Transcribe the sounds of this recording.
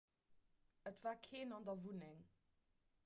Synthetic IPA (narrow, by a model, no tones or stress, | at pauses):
ətv̥aːkʰeːnɑndɐvunɪŋ